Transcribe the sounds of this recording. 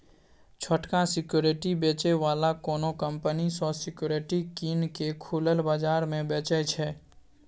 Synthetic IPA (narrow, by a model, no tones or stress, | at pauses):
t͡ʃʰəʈkãsɪkjoːɾɪʈibeːt͡ʃeʋaːlakoːnokə̃mpənisɔsɪkjoːɾeʈikiːnkekʰuːləlbaːd͡ʒaːɾmẽbeːt͡ʃət͡ʃʰɛː